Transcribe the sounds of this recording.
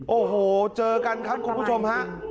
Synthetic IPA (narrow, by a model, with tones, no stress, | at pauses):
ʔoː˨˧˩ɦoː˧˩t͡ɕɤː˧˩ka˧nkʰa˧˥mku˨˧˩ŋ͡mku˧˦˥sʰu˧mha˧˥